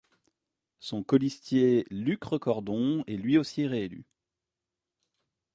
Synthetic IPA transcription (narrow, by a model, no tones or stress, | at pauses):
sɔ̃kɔlist̪jelykχəkɔʁd̪ɔ̃ɛlɥiosiʁeely̰